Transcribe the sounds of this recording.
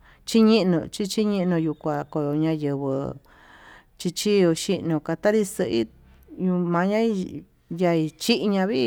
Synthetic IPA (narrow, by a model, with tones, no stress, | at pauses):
t͡ʃi˦ɲĩ˦ʔnũ˧t͡ʃi˦t͡ʃi˦ɲĩ˧ʔnũ˧ju˧kʷa˨ko˨jo˧ɲã˧jɨ˨βɨ̰˧˨ | t͡ʃi˧t͡ʃi˦o˧ʃi˦˧ʔnũ˧ka˧t̪a˦ɾi˧sɨ˧ʔḭ˦ | ɲũ˧mã˧ɲã˦i˧ | ja˧i˧t͡ʃi˦ʔɲã˧βi˦